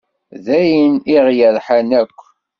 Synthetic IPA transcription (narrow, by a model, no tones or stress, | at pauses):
ðæjəniʁjəɾħanækʷː